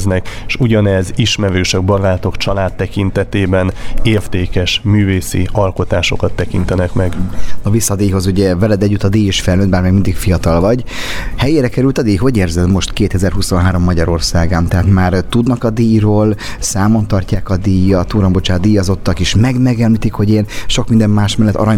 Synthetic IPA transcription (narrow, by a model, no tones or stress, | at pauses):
znɛkʃuɟɒnɛziʃmɛɾøːʃɛɡ̚bɒɾaːt̪o̞kt͡ʃɒlaːt̪ːɛkint̪ɛt̪eːbɛneːrt̪eːkɛʃmyːveːsḭɒlko̞t̪aːʃo̞kɒt̪ːɛkint̪ɛnɛkmɛɡnɒvisːɒd̪eːjɦo̞zuɟɛvɛlɛd̪ɛɟːyt̪ːɒd̪iːjiʃfɛlnøːd̪baːrmɛːɡmind̪ikfijɒt̪ɒlvɒɟ | hɛjeːɾɛkɛɾylt̪ɒd̪iːɦo̞ɟeːrzɛd̪mo̞ʃt̪keːt̪ɛzɛrɦuso̞nɦaːɾo̞mːɒɟɒɾo̞rsaːɡamt̪ɛɦaːt̪maːrt̪ud̪nɒkɒd̪iːjroːlsaːmo̞nt̪ɒrcaːkɒd̪iːjːɒt̪uːɾɒmbo̞t͡ʃaːd̪iːjɒzo̞t̪ːɒkeːʃmɛɡmɛɡɛmlit̪ikho̞ɟeːnʃo̞kmind̪ɛmːaːʃmɛlːɛt̪ːɒ̰ɾɒɲ